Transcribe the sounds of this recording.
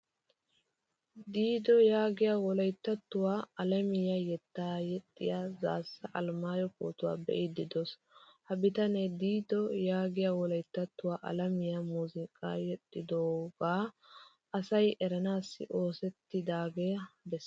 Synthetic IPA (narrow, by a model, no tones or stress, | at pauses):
d̪iːd̪ɔjaːɡɪjaːwɔlɐjt̪ːɐt̪ːʊwaːɐlɐmɪjɐjɛt̪ːaːjɛt̪ʼːɪjaza̰ːsːɐʔɐlmaːjɔko̰ːt̪ʊwa̰ːbɛ̰ʔɪd̪ɪd̪ɔs | hɐbɪt̪ɐned̪iːd̪ɔjaːɡɪjaːwɔlɐjt̪ːɐt̪ːʊwaːʔɐ̰lɐmɪjɐmuːzɪkʼa̰ːjɛt̪ʼːɪd̪oːɡaː | ɐsɐjʔɛɾɐnaːsːɪ̰ʔo̞ːsɛt̪ːɪd̪aːɡɛbɛsː